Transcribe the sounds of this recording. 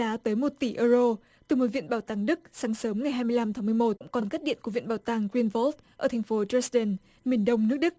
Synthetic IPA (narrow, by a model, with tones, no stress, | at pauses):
aː˨˦t̪əː˨˦jmo˨˩t̚t̪i˧˩ʔəː˧zo˧ | t̪ɨ˨˩mo˨˩t̚vḭ˧˨ənɓaː˧˩wt̪aː˧˩ŋɗɨ˦˥k̚saː˨˦ŋsəː˨˦mŋa˨˩jɦaː˧jmɨ˧əjla˧mt̪ʰaː˨˦ŋmɨ˧əjmo˨˩t̚ʊ˧˥ŋ͡mkɔ˨˩nkk̚ɗḭ˧˨nku˧˩vḭ˧˨nɓaː˧˩wt̪aː˧˩ŋɡwi˧nvɔ˦˥lt̚ʔəː˧˩a˨˩ŋ̟fo˨˦t͡ɕɛ˦˥sɗə˧˩n | mi˨˩ənɗə˧wŋ͡mnɨ˦˥ək̚ɗɨ˦˥k̚